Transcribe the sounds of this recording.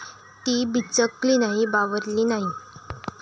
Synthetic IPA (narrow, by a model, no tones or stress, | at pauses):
t̪iːbit͡səkliːnaɦibaʋəɾliːnaɦi